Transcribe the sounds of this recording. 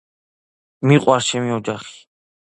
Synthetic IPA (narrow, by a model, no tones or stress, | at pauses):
miqʼwaɾt͡ʃʰɛmiɔd͡ʒaχi̥